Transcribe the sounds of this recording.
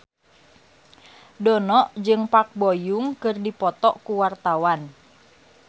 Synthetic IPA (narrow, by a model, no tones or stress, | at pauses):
dɔnɔʔd͡ʒɨŋpak̚bɔjuŋkɨrdipɔt̪ɔʔkuwart̪awan